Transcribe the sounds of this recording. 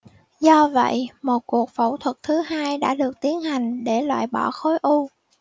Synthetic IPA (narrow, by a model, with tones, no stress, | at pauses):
zɔ˧və̰˧˨jmo˨˩t̚ku˨˩ək̚fə̰˧˩wt̪ʰwə˨˩t̚t̪ʰɨ˨˦ɦaː˧jɗa̰ː˧˥ɗɨ˨˩ək̚t̪i˨˦ənha˨˩jŋ̟ɗe˧˩lwa̰ː˧˨jɓɔ˧˩xo˨˦jʔu˧